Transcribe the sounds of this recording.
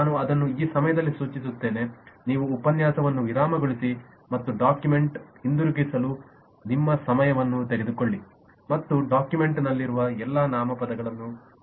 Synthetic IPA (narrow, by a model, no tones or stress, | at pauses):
naːnuɐd̪ɐnːuiːsɐmɐjɐd̪ɐlːisuːt͡ʃis̬ut̪ːe̞ːne̞niːʋuːpɐnjaːsɐʋɐnːuʋiɾaːmɐɡoɭisi | mɐt̪ːuɖaːkjume̞ɳʈhind̪uɾuɡisɐlu | nimːɐsɐmɐjɐʋɐnːut̪eɡe̞d̪ukoɭːi | mɐt̪ːuɖaːkjume̞ɳʈnɐlːiɾuʋɐɛlːɐnaːmɐpɐd̪ɐɡɐɭɐnːu